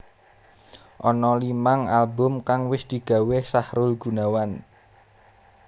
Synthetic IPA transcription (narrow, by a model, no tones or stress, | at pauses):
ʔɔnɔlimaŋalbʊmkaŋwɪsd̪̥i̤ɡ̥a̤wesahɾʊlɡ̥ṳnawan